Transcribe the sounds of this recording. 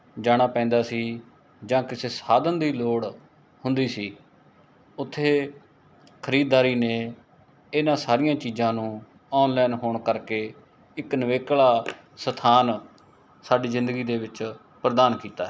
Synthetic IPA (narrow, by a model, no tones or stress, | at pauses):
d͡ʒaːɽ̃aːpɛ̃ːnd̪aːsiː | d͡ʒãːkɪseːsaːd̪ənd̪iːloːɽ | hʊnd̪iːsiː | ʊt̪ʰːeː | kʰəɾiːd̪ːaːɾiːneː | ɪnãːsaːɾijãːt͡ʃiːzãːnũː | ɔːnlɛːnɦoːɳkəɾkeː | ɪknəʋeːklaː | sət̪ʰaːn | saːɖiːzɪ̃nd̪əɡiːd̪eːʋɪt͡ʃ | pɾəd̪aːnkiːt̪aːɦ